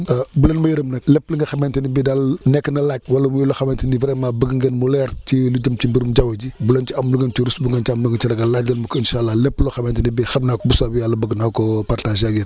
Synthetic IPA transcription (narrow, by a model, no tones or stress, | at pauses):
ɐbulɐnmɐjiɾɐmnɐklɛpːliŋɡɐxɐmɛːntɐnibiːdalnɛkːnɐlaːɟ̚wɐlɐmujuloxɐmɛːntɐnivɾɛmabəɡŋɡenmulɛɾt͡ʃiluɟɐmt͡ʃimbiɾumɟɐwɐɟibulɐnt͡ʃiɐmluɡɐnt͡ʃiɾusbuŋɡɐnt͡ʃɐmluŋɡɐt͡ʃɐlɐɡɐlaɟ̚dɐlmɐkinʃalːalɛpːlɔxɐmɛntɐnibɛxɐbnakbusabijalːɐbɐɡnakɔpartaʃjaɡen